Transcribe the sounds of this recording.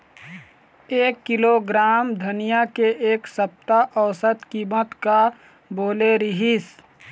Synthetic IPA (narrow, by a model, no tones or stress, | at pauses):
eːkːɪloɡɾaːmd̪ʱənɪjakeʔeːksəp̚t̪aʔɔːsət̪kiːmət̪ka | boːleɾɪɦis